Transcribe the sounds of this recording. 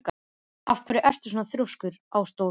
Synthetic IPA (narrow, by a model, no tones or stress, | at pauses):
k | afpʰœɾɪʔɛr̥t̪ɪ̥s̬ɔːnaθɾowskʏɾaːwst̪o